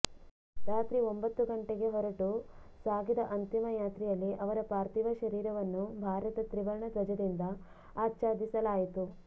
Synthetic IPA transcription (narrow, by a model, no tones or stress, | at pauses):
ɾaːt̪ɾiombɐt̪ːuɡɐɳʈeɡe̞ɦɔɾɐʈu | saːɡid̪ɐʔɐnt̪imɐjaːt̪ɾijɐlːiʔɐʋɐɾɐpaːɾt̪iʋɐʃɐɾiːɾɐʋɐnːubʱaːɾɐt̪ɐt̪ɾiʋɐɾɳɐd̪ɐd͡ʒɐd̪ind̪ɐ | aːtːt͡ʃaːd̪isɐlaːjit̪u